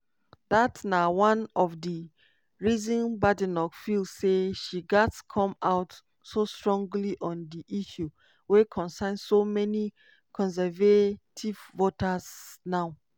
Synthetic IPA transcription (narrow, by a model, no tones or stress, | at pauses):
datnawãnɔvdi | ɹizɔ̃nbadinɔkfilseʃiɡɛtskʰɔ̃maʊt | sostɹɔ̃ŋɡliʔɔ̃ndiʔiʃu | wekʰɔ̃nsãnsomɛni | kʰɔ̃nsɛvetʰivvotaz̥naʊ